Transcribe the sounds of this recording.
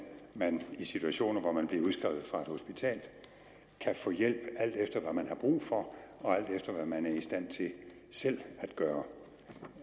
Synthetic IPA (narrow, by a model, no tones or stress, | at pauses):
mænisit͡sʰuæɕo̝̰ːnɐʋɒmænb̥liɐuð̞ˠsɡ̥ʁɛʊð̞̩ˠfʁɑ̈e̝d̥ho̝sb̥it͡sʰɛ̰ːl̥ | kʰæfɔ̰̽ːjel̰b̥æl̰d̥efd̥ɐʋæmænɦɑ̈b̥ʁṵːfɒ̽ɒ̽æl̰d̥efd̥ɐʋæmænæɐisd̥æn̰t͡sʰe̝ | sel̰æd̥ɡ̥ɶːɐ